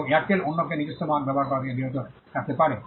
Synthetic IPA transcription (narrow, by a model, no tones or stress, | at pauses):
eaɾ̚ʈelonːok̬enid͡ʑoʃt̪omaanbɛboɦaɾkɔɾat̪iebiɾod͡ʑonkak̚t̪epaɾe